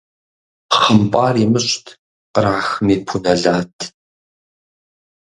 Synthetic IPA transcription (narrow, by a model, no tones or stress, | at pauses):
χəmpʼaːriːmɨɕtʰ | qəɾaːxɨmiːpʰunɐɮaːtʰ